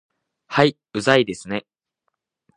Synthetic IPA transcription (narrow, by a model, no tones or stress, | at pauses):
hai | ɯ̟zaid̪e̞sɨne̞